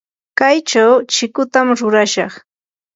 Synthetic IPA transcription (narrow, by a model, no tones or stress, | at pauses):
kajt͡ʃawt͡ʃɪkʊt̪amɾʊɾaʃɑχ